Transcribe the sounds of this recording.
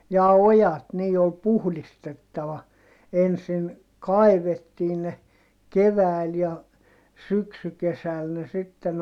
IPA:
jɑː ojɑt niː ol puhlistetːɑʋɑ ensin kɑi̯ʋetːiː ne keʋæˑi̯l jɑ syksykesæl ne sitːen

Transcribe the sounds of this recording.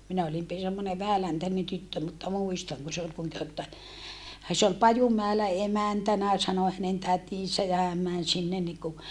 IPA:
minæ olim pi semːone ʋæhælæntænen tytːø mutːɑ muistɑŋ kun se ol se ol pɑjumæelæ emæntænæ sɑno hænen tætisæ jɑ hæm mæn sinːen niku

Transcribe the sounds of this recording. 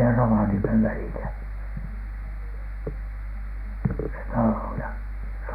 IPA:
jɑ roʋɑniemeʋ ʋælilæ se tɑloˑ jɑ s

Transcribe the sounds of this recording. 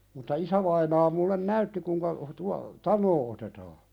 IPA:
mutːɑ isæʋɑinɑː mulːen næytːi kuiŋkɑ tuɑ tɑnˑoː otetɑː

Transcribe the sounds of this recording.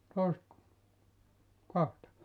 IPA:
toˑisĕt kɑhtɑ

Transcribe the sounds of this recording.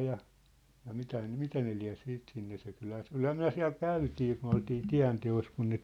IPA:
jɑ jɑ mitæ nĕ mitæ ne liæ̝ siːt sinːe se kylhæ se ol kylhæː myæ̝ siæ̝l kæytiː kun oltiː tiæ̝nteos kun ne

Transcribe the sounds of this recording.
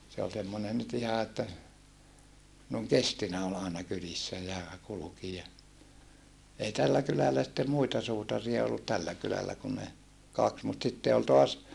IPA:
se ol semːonen nyt ihɑ etːæ noˑeŋ kestinæ ol ɑenɑ kylisːæ jɑ kuluki jɑ ei tælːæ kylælæ sĭtːem muitɑ suːtɑriɑ olːut tælːæ kylælːæ kun ne kɑks mut sitːe ol toɑs

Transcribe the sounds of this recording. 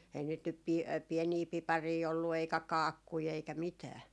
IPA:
æin niːt nyp pi piɛniː pipɑriː olːu eikæ kɑːkːui eikæ mitæː

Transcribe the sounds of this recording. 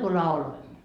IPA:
ku lɑuloimːo

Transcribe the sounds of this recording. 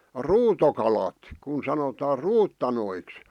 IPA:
ruːtokɑlɑt kun sɑnotɑː ruːtːɑnoiks

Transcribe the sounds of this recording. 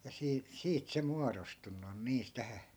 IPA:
jɑ siː siːt se muɑrostunːu on niːs tæhæ

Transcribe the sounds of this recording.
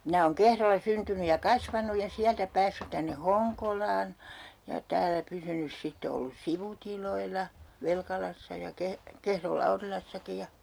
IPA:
minæ oːŋ kehrolːɑ syntyny jɑ kɑsʋɑnuj jɑ siæltæ pæːsːyt tænːe hoŋkolɑːn jɑ tæːlːæ pysynys sitːe olːus siʋutiloilːɑ ʋelkɑlɑsːɑ jɑ keh kehrol lɑurilɑsːɑki jɑ

